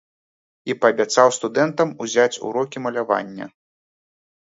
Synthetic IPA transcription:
ipɐbʲat̪sawst̪ud̪ɛnt̪ɐmuzʲat͡sʲṵɾɔkʲimɐlʲava̰nʲːɐ̰

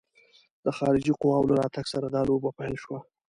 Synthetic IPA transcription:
d̪əxɑɾɪd͡ʒiqʊwɑwlaɾɑt̪aɡsaɾad̪ɑlobapajlʃwa

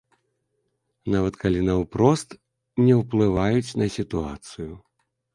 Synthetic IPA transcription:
navɐt̪kʰalʲinɐwpɾɔst̪ | nʲɛwplˠɨvajut͡sʲnɐsʲit̪ua̰t̪sɨju

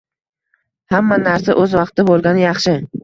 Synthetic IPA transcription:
hamːanaɾsaʔɵzvɑqt̪ʰɪbolˠɡʲanɪjɑχʃɪ

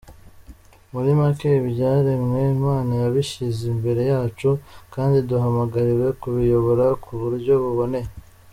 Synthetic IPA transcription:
muɾimakeβjɟaːɾemŋe̞maːnajaβiʃizimbe̞ɾe̞jaːt͡ʃukaːndiduɦamaɡaɾiɾe̞kuβijo̞βo̞ɾakʰuβuɾɟo̞βuβo̞ne̞

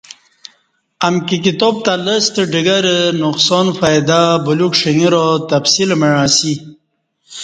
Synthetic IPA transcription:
amkikit̪ob̚t̪aləst̪əɖiɡɐɾnuqsonfajd̪abulukʂiŋiɾot̪afsilməɻaːsi

